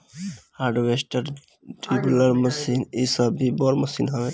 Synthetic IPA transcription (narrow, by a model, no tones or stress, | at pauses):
haːɾɖwesʈəɾ | ʈʰibuləɾməsinisəbːibɔɾməsinɦəʋe